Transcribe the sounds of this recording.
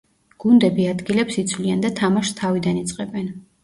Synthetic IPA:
ɡ̥und̪ɛbiad̪ɡilɛpsit̪sʰwliand̪at̪ʰamaʃst̪ʰavid̪anit̪sʼqʼɛbɛn

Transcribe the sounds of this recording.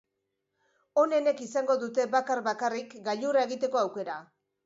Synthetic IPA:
o̞ne̞ne̞kisaŋɡo̞ðut̪e̞βakaɾβakarikɡaʎurae̞ɣit̪e̞ko̞awke̞ɾa

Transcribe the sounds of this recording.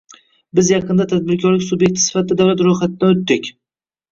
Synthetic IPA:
bɪzjɑqʰɨnd̪at̪ʰad̪̚bɪɾkʰʲɒɾlɪkʲsubjek̚ʲt̪ʰɪ̥sɪ̥fat̪̚ːd̪ad̪awlat̪ɾojχat̪ɪd̪anot̪ːɪkʲ

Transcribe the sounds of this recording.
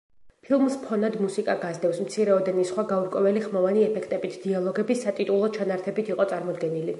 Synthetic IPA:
pʰilˠmspʰɔnad̪musikʼaɡazd̪ɛfsmt̪sʰiɾɛɔd̪ɛnisχwaɡauɾkʼwɛvɛliχmɔvaniɛpʰɛkʰt̪ʼɛbit̪ʰd̪̥ialˠɔɡɛbisat̪ʼit̪ʼulˠɔt͡ʃʰanaɾt̪ʰɛbit̪ʰiqʼɔt̪sʼaɾmɔd̪ɡɛnili

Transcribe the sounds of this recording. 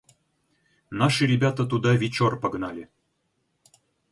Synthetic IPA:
nɑʂɨɾʲebʲat̪at̪̬ud̪ɑvʲit͡ɕorpəɡnɑlʲe

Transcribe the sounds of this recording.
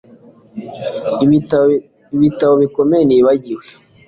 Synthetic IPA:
iβitaβo̞βikomejeniːβaɟiwe

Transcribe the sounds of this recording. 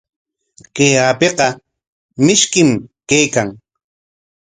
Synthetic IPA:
kejapeqɑ | mɪʃkɪmkejkaŋ

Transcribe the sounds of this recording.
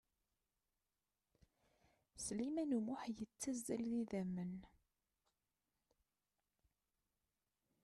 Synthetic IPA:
slimænumʊħjət͡sːæzːælðiðæmːən

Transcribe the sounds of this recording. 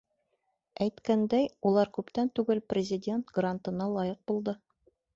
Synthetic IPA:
æjt̪kænd̪æjulˠɑɾkʉpt̪ænt̪ʉɡɘlprʲɪzʲɪdʲe̞nt̪ɡrant̪ɤ̆nɑlˠɑjɤq̚bulˠd̪ɤ

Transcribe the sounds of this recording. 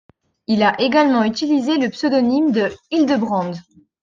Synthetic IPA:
ilaʔeɡalmɑ̃yt̪ilizeləpsød̪ɔnimd̪əild̪əbʁɑ̃d̪

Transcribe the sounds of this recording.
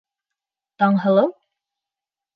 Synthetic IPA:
t̪ɑɴɦɤ̆lˠɤw

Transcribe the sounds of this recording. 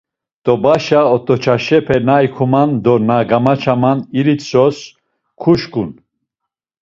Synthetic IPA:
t̪ʼɔbaʃaɔt̪ʼɔt͡ʃʰaʃɛpʰɛnaikʰumand̪ɔnaɡamat͡ʃʰamaniɾit̪sɔs | kʰuʃkʼun

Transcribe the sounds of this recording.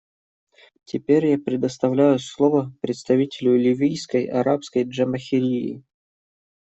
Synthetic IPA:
tʲɪpʲeɾʲjapɾʲɪd̪əst̪ɐvlʲæjʊslˠovəpɾʲɪt̪st̪ɐvʲitʲɪlʲʊlʲɪvʲijskəjɐ̰ɾapskəjʐəməxʲɪɾʲiɪ̰

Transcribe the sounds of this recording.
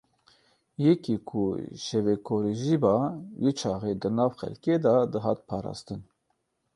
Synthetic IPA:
jɛkikʰṵʃɛvekʰoːɾiʒibɑːwet͡ʃʰɑːɣed̪ɨnɑːvxɛ̰lked̪ɑd̪əɦɑːt̪̚pʰɑːɾɑ̰ːst̪ɨn

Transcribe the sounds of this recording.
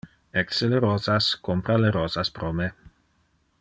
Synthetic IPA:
ɛkseleɾoːzaskompɾaleɾozaspɾome

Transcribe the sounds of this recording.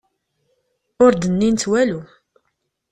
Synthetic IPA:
ʊɾd̪ənːint̪wælu

